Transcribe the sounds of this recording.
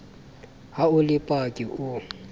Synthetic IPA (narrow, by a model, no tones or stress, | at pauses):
haʊlɪpʼakʼɪʔʊ